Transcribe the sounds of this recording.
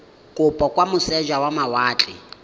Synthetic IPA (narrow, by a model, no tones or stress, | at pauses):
kʼʊpʼɔkʼwamʊsɛʒawamawaːt͡ɬʼɪ̰